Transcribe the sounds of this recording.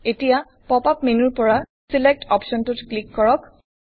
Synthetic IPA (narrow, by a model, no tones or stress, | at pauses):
etija | pɔpapmenuɹpɔɹa | silek̚tɔpʃɔntutklikːɔɹɔk